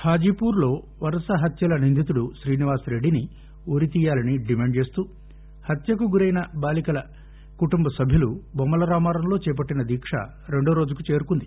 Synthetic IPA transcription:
haːd͡ʒiːpuːɾlo̞ː | ʋɐɾɐsɐɦɐt̪jɐlɐnind̪ʱit̪̬uɽuʃɾiːniʋaːsɾe̞ɖːini | oːɾit̪iːjaːlɐniɖimeːɳɖt͡ʃe̞ːst̪uː | hɐt̪jɐkuɡuɾɐjnɐbaːlikɐlɐ | kuʈumbɐsɐbʱjilubɔmːɐlɐɾaːmaːɾɐmlo̞ːt͡ʃɛːp̬ɐʈːinɐd̪iːkʂɐ̰ | ɾe̞ɳɖoːɾo̞ːd͡ʒukut͡ʃe̞ːɾukund̪i

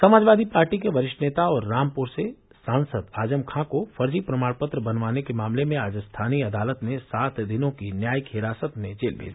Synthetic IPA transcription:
sɐmaːd͡ʒʋaːd̪ipaːɾʈikeʋɐɾɪʃʈneːt̪aɔːɾːaːmpʊɾse | sãːnsəd̪aːd͡ʒəmkʰãkofɐɾd͡ʒipɾɐmaːɽpət̪ɾəbɐnʋaːnekemaːmlemẽaːd͡ʒst̪ʰaːniɐd̪aːlət̪mẽsaːt̪ʰd̪ɪnõkinjaːjəkɦɪɾaːsət̪mẽd͡ʒeːlbʱḛːd͡ʒi

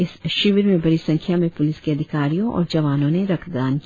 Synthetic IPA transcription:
ɪsʃɪʋɾmẽbɐɾisɐ̃ŋkʰjamẽpʊlɪskeɐd̪ʱɪkaːɾijõʔɔ̰ːɾd͡ʒɐʋaːnõneɾɐkʰɡaːnki

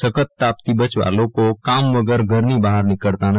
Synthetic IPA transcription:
səkət̪ːaːp̚t̪ibət͡ʃʋa̰ːlõkokaːmʋɐɡəɾɡʱəɾnibaːɦəɾnɪkəɭt̪anɐ

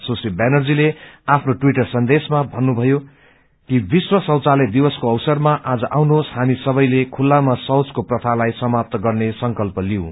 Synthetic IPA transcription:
sosibanʌrd͡zileapʰnoʈwiʈʌrsʌnd̪esmabʱʌnːubʱʌjo | kibiswʌsʌwt͡saled̪ibʌskoʌwsʌrmaʔad͡zʌʔawnoɦosɦamisʌbʌjlekʰulːamasʌwt͡skoprʌt̪ʰalajsʌmap̚t̪ʌɡʌrnesʌŋkʌlpʌliõ

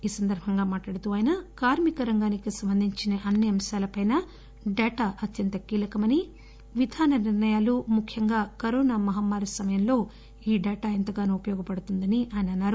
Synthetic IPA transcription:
iːsɐnd̪ɐɾbʱɐŋɡaːmaːʈlaːɽut̪uːaːjnɐkaːɾmikɐɾɐŋɡaːnikisɐmbɐnd̪ʱiɲt͡ʃinɐʔɐnːiɐmʃaːlɐpɐjnɐ | ɖɛːʈaːʔɐt̪jɐnt̪ɐkiːlɐkɐmɐni | ʋid̪ʱaːnɐɾniɾnɐjaːlumukʰjɐŋɡaːkɐɾoːnaːmɐɦamːaːɾusɐmɐjɐmlo̞ː | iːɖɛːʈaːɐnt̪ɐɡaːnɐupɐjɔːɡɐpɐɽut̪und̪ɐniʔaːjɐnɐnːaːɾu

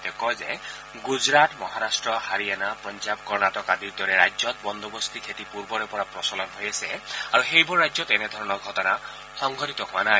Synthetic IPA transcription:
tɛkɔjzɛ | ɡuzɹatmɔɦaɾastɹɔhaɹianapɹɔnzab̚kɔɹnatɔkadiɹd̪ɔɹɛɹajzɔt̪̚bɔnd̪ɔbɔst̪ikʰetipuɹbɔɹɛpɔɹapɹɔsɔlɔnɦojasɛaɹuxejbɔɹːajzɔtɛnɛd̪ʱɔɹɔnɔɹɡʱɔtɔna | xɔŋɡʱɔtit̪ɔhʊwana

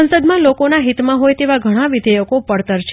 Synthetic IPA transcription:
ənsəd̪mãlokonaɦit̪mãɦojt̪eʋaɡʱəɽ̃aʋɪd̪ʱəjəkopəɽt̪əɾt͡ʃʰ

